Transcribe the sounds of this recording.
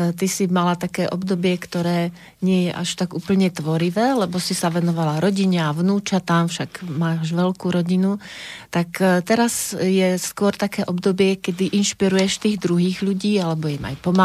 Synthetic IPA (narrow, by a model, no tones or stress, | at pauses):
t̪isimalat̪akɛːʔɔbd̪ɔbɪɛkt̪ɔɾɛː | ɲɪɛjɛʔaʃt̪aɡuːpl̩ɲɛt̪ʋɔɾiʋɛːlɛbɔsisaʋɛnɔʋalaɾɔɟiɲɛaʋnuːt͡ʃat̪amfʃaɡmaːʒʋɛlkuːɾɔɟinut̪akt̪ɛɾazjɛskʊɔɾt̪akɛːʔɔbd̪ɔbɪɛkɛd̪iʔinʃpiɾujɛʃt̪iːɣd̪ɾuɦiːɣʎuɟiːalɛbɔima̰jpɔma